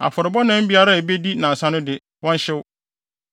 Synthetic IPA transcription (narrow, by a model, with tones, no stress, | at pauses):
a̰˨fʊ˨ɾɪ˨bɔ˦nã˦m̩˦bi˦a˦ɾa˦e˨be˦di˦nã˨sã˦nʊ̃˦dɪ˨ | wɔ̃˦n˦ɕɪ˦wʊ˦